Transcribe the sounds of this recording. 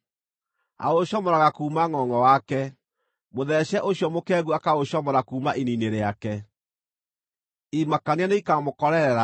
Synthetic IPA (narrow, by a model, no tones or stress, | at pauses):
a̰oɕɔmɔɾaɣakuːmaŋɔŋɡɔwakɛ | moðɛɕɛʔoɕjɔmokɛɣuakaoɕɔmɔɾakuːmaʔinineɾeakɛ | imakanianeikamokɔɾɛɾɛɾa